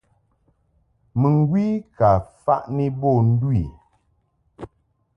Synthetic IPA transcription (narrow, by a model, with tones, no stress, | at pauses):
mɨ˨ŋ˨˦ɡwi˦ka˨fa̰˦ʔni˦bɔ˦˨n̩˦dwi˨